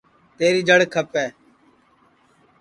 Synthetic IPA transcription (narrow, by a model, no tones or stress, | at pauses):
t̪eːɾiːd͡ʒəɽkʰəpɛː